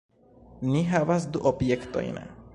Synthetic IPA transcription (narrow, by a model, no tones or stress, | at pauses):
niɦavasd̪uʔɔbjekt̪ɔ̰j̰na̰